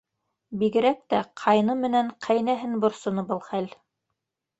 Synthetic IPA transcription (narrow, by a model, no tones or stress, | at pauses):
biɡɘ̆ɾæk̚t̪æqʰɑjnɤmɘ̆næɴqʰæjnæɦɘnbŏɾsŏnɤbɤlˠχæl